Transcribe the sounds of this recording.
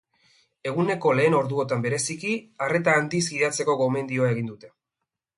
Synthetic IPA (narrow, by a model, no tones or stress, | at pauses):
e̞ɣ̞une̞ko̞le̞ːno̞ɾðuo̞t̪ambe̞ɾe̞sikiare̞t̪aːnd̪isɡiðat͡se̞ko̞ɣo̞me̞nd̪ioae̞ɣ̞ind̪ut̪e̞